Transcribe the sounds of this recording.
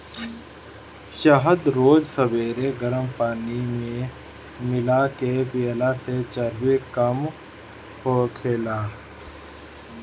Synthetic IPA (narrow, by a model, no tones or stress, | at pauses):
ʃəɦəd̪ɾoːd͡ʒsəbeːɾeɡəɾəmpaːnimẽ | mɪlakepiəlaset͡ʃəɾwekəm | hokʰeːlaː